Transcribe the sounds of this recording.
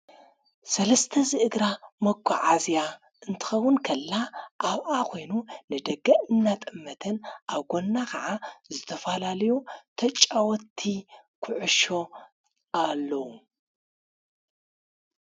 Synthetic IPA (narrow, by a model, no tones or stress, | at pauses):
sɐlɐst̪ʰɐzɨʔɨɡɾamɐɡʰʷʼːɔʕazja | ʔɨnt̪ʰɨ̥xɐwːʊnkʰɐlːaʔaβʔakʰo̞jnunɨd̪ɐɡɐʔɨnːat̪ʼɨmːɐt̪ʰɐnʔaβɡo̞nːakʰɐʕazɨt̪ʰɐfalalɐjut̪ʰɐt͡ʃʼːawɔt̪ʰːi | kʰʊʕʊʃo̞ | alːɐwu